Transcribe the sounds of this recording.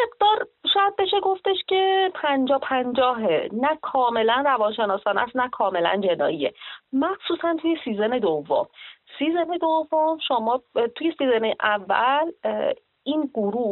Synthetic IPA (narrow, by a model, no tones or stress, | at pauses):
me̞ɡd̪ɒːɾʃɒːjæd̪̚be̞ʃe̞ɡoft̪e̞ʃcʰe̞pʰænd͡ʒɒːpʰænd͡ʒɒːɦenækʰɒːme̞lænrævɒːnʃe̞nɒːsɒːnæ̰snækʰɒːme̞læ̰nd͡ʒe̞nɒ̰ːiḛmæxsuːsænt̪ʰuje̞siːzene̞d̪ovːo̰msiːzene̞d̪ovomʃomɒːt̪ʰuje̞siːzeneʔævːæ̰l | iːnɡoɾuː